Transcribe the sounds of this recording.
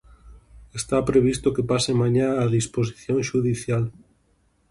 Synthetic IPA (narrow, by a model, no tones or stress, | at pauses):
est̪apɾeβ̞ist̪okepasemãɲaːðispos̬i̥θjõŋʃuðiθjal